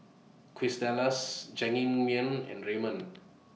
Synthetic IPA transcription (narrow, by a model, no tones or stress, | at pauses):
kʰwisdɛləsd͡ʒɛ̃ŋĩnmiə̃nɛ̰̃nɹemə̃n